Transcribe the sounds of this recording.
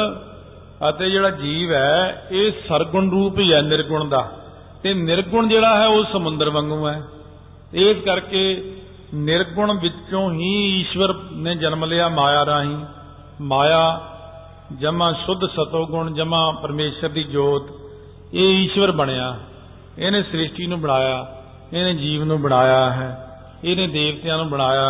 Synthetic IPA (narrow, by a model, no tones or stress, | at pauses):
ət̪eːd͡ʒeːɽaːd͡ʒiːʋɛːeːsəɾɡʊɳɾuːpɦiːɛːnɪɾɡʊɳ̃d̪aː | t̪eːnɪɾɡʊɳd͡ʒeːɽaːɦɛːoːsəmʊ̃nd̪əɾʋə̃ŋɡũːɛː | ɪskəɾkeː | nɪɾɡʊɳʋɪt͡ʃõːɦiːiːʃʋəɾnẽːd͡ʒənmleːaːmaːjaːɾaːɦĩː | maːjaː | d͡ʒəmãːsʊd̪ʱsət̪oːɡʊɳd͡ʒəmãːpəɾmeːʃəɾd̪iːd͡ʒoːt̪ | eːiːʃʋəɾbəɽ̃ejaː | eːnẽːsɾɪʃʈiːnũːbəɽaːjaː | eːnẽːd͡ʒiːʋnũːbəɽ̃aːjaːɦɛː | eːnẽːd̪eːʋt̪jãːnũːbəɽ̃aːjaː